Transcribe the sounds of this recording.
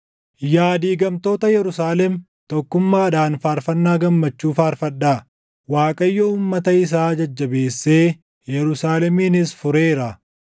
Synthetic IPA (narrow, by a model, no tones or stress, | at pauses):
jaːd̪iːɡɐmt̪o̞ːt̪ɐjɛɾʊsaːlɛm | t̪ɔkːʊmːaːɐd̪aːnfaːɾfɐnːaːɡɐmːɐt͡ʃːuːfaːɾfɐᶑːaː | waːkʼɐjːɔuːmːɐt̪ɐɪs̬aːd͡ʒɐd͡ʒːɐbe̞ːsːeː | jɛɾʊsaːlɛmiːnɪsfʊɾeːɾɐ